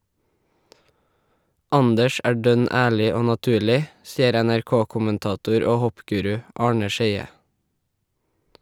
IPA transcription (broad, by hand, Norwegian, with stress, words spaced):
ˈɑndəʃ ˈæː ˈɖœn ə ˈæːɭɪ ˈoː nɑˈtʉːɭɪ ˈsiːəɾ ɛnæɹˈkoːkʊmənˌtɑːˌtuːɾ ə ˈoː ˈhɔpˌɡʉːɾʉ ˈʔɑːɳə ˈʃeɪə